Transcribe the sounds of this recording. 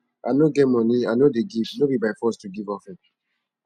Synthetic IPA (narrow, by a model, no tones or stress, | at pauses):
anoɡɛmɔnianodeɡivnobibaɪfɔstuɡivɔfɛ̃n